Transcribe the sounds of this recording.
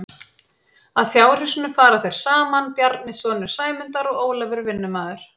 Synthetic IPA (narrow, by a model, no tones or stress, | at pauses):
aðfjaːwr̥isʏnʏfaːɾaθejɾ̥saːmanpjaɾt̪nɪðsɔːnʏɾ̥saːjmʏnt̪aɾɔɣoːwlɛvʏɾvɪnːʏmaːðʏɾ̥